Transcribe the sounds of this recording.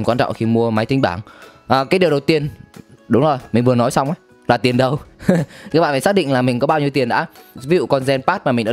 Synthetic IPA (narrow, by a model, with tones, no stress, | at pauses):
kwaː˧nt͡ɕɔ̰˧˨ŋ͡mxi˧mu˧əma˨˦jt̪i˧ŋ̟ɓaː˧˩ŋʔːkaː˨˦jɗi˨˩əwɗə˨˩wt̪i˧ənɗʊ˨˦ŋ͡mzo˨˩jmi̟˨˩vɨ˨˩ənɔ˨˦jsa˧wŋ͡mʔaː˨˦ | laː˨˩t̪i˨˩ənɗə˧wkaː˦˥k̚ɓaː˧˨˩a˨˩sa˦˥ɗï˧˨ŋlaː˨˩mï˨˩ŋ̟kɔ˨˦ɓaː˧wɲi˧wt̪i˨˩ənɗa̰ː˧˥vi˨˦zṵ˧˨kɔ˧nzɛ˧npaː˦˥t̚maː˨˩ï˨˩ɗa̰ː˧